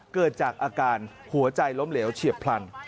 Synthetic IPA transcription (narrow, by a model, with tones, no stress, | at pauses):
kɤː˨˩t̪̚t͡ɕaː˨˩k̚ʔaː˧kaː˧n | hu˩˦ɐt͡ɕa˧jlo˦˥mleː˩˦wt͡ɕʰi˨˩əpʰla˧n